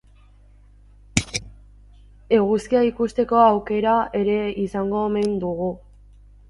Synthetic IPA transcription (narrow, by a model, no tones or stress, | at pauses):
e̞ɣ̞uskiaikust̪e̞ko̞awke̞ɾae̞ɾe̞isaŋɡo̞ːme̞nd̪uɣu